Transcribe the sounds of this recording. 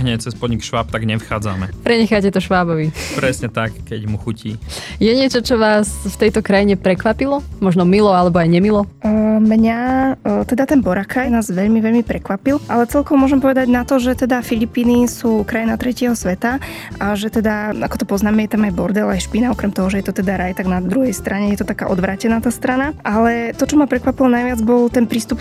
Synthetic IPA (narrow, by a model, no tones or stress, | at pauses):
ɦɲɛt͡sɛspɔd̪ɲikʃʋaːp̚t̪aɡɲɛfxaːd͡za̰mɛ̰pɾɛɲɛxacɛt̪ɔʃʋaːbɔʋipɾɛsɲɛt̪akkːɛɟmuxucʰiːjɛɲɪɛt͡ʃɔt͡ʃɔʋaːsft̪ɛjt̪ɔkɾajiɲɛpɾɛkʋapilɔmɔʒnɔmilɔalɛbɔajɲɛmilɔmɲat̪ɛd̪at̪ɛnbɔɾakʰanaːzʋɛʎmiʋɛʎmipɾɛkʋapilˠʔalɛt͡sɛlkɔʋɔmʊɔʒɛmpɔʋɛd̪aɟnat̪ɔʒɛt̪ɛd̪afiʎipiːnisuːkɾajinat̪ɾɛcɪɛɦɔsʋɛt̪a | aʒɛt̪ɛd̪aakɔ̥t̪ɔpɔznaːmɛjɛt̪amajbɔɾd̪ɛlajʃpinaɔkɾɛmt̪ɔɦɔʒɛjɛt̪ɔt̪ɛd̪aɾajt̪aɡnad̪ɾuɦɛjst̪ɾaɲɛjɛt̪ɔt̪akaːʔɔd̪ʋɾaːcɛnaːt̪aːst̪ɾanaʔalɛt̪ɔt͡ʃɔmapɾɛkʋapilɔnajʋɪad͡zbɔlt̪ɛnpɾiːst̪up